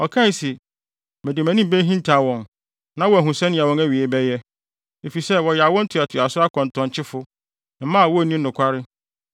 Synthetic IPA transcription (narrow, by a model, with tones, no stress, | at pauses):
ɔ˨kʰã˦˨˦si˨ | mɪ̃˨dɪ˨mæ̃˨nĩ˦m˦bæ˦ɦĩ˦n̩˦tʰa˨wɔ̃˨n | nã˦wɔ˦˨æ˨ɦʊ̃˨sɛ˦nɪ̃˨a˨wɔ̃˨næ˦˨ɥi˨e˨bɛ˦jɛ˦ | e˨fi˨sɛ˦wɔ˨jɛ˨a˨wɔ̃˦n̩˦tʰʊ˨a˨tʰʊ˨a˨sʊ˦a˦kʰɔ̃˨n˨tʰɔ̃˨ɲ˨t͡ɕʰɪ˦fʊ˦˨˦ | mã˦˨wɔ˦˨nĩ˦nʊ̃˨kʷʰa˦ɾɪ˦